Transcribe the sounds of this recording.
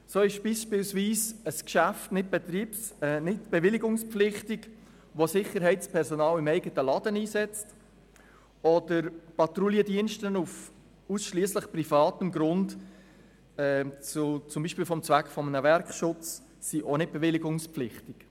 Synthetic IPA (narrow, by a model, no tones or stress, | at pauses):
soːɪʃb̥iːʃpɪlsʋiːsəskʃæftnɪt̚b̥ɛt̪ɾiːsnɪtb̥ɛvɪlɪɡʊŋspflɪχtɪɡ | ʋosɪχəɾɦɛɪtspʰɛɾsɔnɑːlɪmɛɪɡətəlɑdəniːsɛt͡st | ɔd̥əɾpɑt̪ɾuliədiənʃtənuf | usʃliəsləχprifɑːtəmɡɾʊnd | ɛt͡sut͡sʊmbiːʃpiːlfɔmt͡sʋækχfɔmənəʋɛɾkʃʊt͡sː | iʔonɪt̚b̥ɛvɪlɪɡʊŋspflɪχtɪk